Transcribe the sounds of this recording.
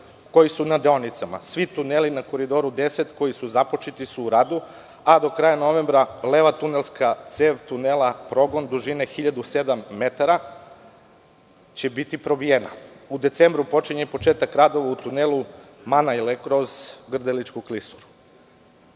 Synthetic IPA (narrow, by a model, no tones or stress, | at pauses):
ko̞jisunad̪eonit̪sama̰sʋit̪unelinako̞ɾid̪o̞ɾud̪e̞set̪ko̞jisuzapot͡ʃit̪isuːɾaːd̪u | ad̪o̞kɾaːjano̞ʋe̞mbɾaleʋat̪unelskat̪seʋt̪unelˠapɾo̞ɡo̞nd̪uʒinexiʎad̪use̞d̪amːe̞t̪aɾa | t͡ɕebit̪ipɾo̞bijena̰ud̪e̞t̪sembɾupo̞t͡ʃiɲepo̞t͡ʃe̞ːt̪akɾad̪o̞ʋaut̪unelˠu | manaelekkɾozɡr̩d̪elit͡ʃkuklisu̥ɾu̥